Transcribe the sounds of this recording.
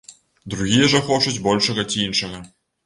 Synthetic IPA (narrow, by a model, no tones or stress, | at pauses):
d̪ɾuɣʲijɛʐɐxɔt͡ʂud͡zʲbɔlʲʂɐɣɐt͡sʲiinʂɐɣɐ